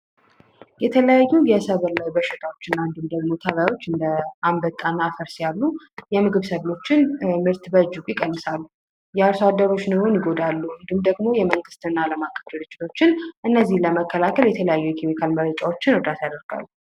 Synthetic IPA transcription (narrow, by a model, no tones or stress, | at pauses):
jɛt̪ʰələjajːujɛsəβlajbəʃːɪt̪ʰawo̞t͡ʃːɪnːand̪ɨmd̪əɡmo̞t̪ʰəβajawo̞t͡ʃːɨnd̪əʔambət̪ʼːanːafəɾsjalːu | jɛmɨɡɨβsəβlo̞t͡ʃːɪnmɨɾt̪bəd͡ʒɨkʷʼjɪkʼənːɨsalːu | jɛaɾsad̪ːəɾo̞t͡ʃːnɨhonjɪɡo̞d̪alːuɨnd̪ɨmd̪əɡmo̞jɛməŋɡɨst̪ɨnːaːləmakʼːə̥fɨɾɨt͡ʃʼːɪ̥t̪ʰo̞t͡ʃːɪnʔɨnːəzːihləməkːəlakʰəljɛt̪ʰələjajːujɛkʰemikʰalməɾət͡ʃʼawo̞t͡ʃːɪnɔd̪at̪jad̪əɾɡa̰lːu